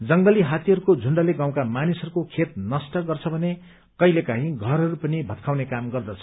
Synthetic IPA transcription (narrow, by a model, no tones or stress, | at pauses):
d͡zʌŋɡʌliɦat̪iɦʌɾukod͡zʱuɳɖaleɡaw̃kamanisʌɾukokʰet̪̚nʌsʈʌɡʌrt͡sʰʌbʱʌne | kʌjlekaɦĩɡʱʌɾɦʌɾupʌnibʱʌt̪̚kʰawnekamɡʌrd̪ʌt͡sʰʌ̥